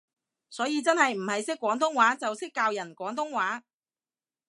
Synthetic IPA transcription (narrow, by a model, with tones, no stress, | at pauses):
sɔː˨˥jiː˨˧t͡sɐ˥nhɐ˨jm̩˨˩hɐ˨jsɪ˥kːʷɔː˨˥ŋt̪̬ʊ˥ŋwaː˨˥t͡sɐ˨wsɪ˥kːaː˧wjɐ˨˩nkʷɔː˨˥ŋt̪ʊ˥ŋwaː˨˥